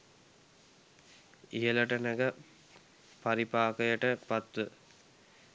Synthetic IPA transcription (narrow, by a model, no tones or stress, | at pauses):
ijɐlɐʈɐnɐɡɐ | pɐɾipaːkɐjəʈɐpɐt̪ːɨ